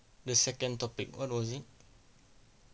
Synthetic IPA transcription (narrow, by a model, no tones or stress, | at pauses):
dəsɛkə̃nt̪ɔpɪkwɔ̰t̚wɔzit